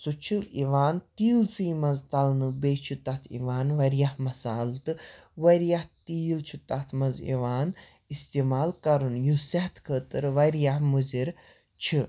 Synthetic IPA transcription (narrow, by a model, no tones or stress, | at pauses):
sut͡ʃʰiliʋaːnt̪iːlt͡siːmɐzt̪ɐlnɨbeːt͡ʃʰut̪ɐt̪ʰḭʋaːnʋɐɾjahmɐsaːlt̪ɨʋɐɾjaht̪iːlt͡ʃʰut̪ɐt̪ʰmɐzḭʋaːn | ist̪ieːmaːlkɐɾɨnjusɐht̪ʰkʰəːt̪ɨɾʋɐɾjahmuziɾ | t͡ʃʰi